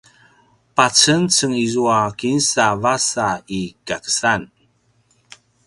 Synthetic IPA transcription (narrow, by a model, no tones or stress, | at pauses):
pat͡sənt͡səŋizuakinsavasaikakə̥san